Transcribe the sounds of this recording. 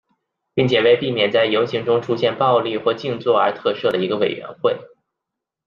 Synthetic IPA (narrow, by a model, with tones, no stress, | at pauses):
pi˥˩ŋt͡ɕʰjɛ˨˩we˥˧ɪpi˥˩mjɛ˨˩nt͡sa˥˩ɪjo˧˥ʊɕi˧˥ŋʈ͡ʂʊ˥ŋʈ͡ʂʰu˥ɕjɛ˥˧npɑ˥˧ʊli˥˧xwɔ˥˧t͡ɕi˥˧ŋt͡swɔ˥˩ə˞˧˥t̪ʰɤ˥˧ʂɤ˥˩d̪ə˩i˧˥ɡə˧we˨˩ɪɥɛ̰˧˥nxwe˥˩ɪ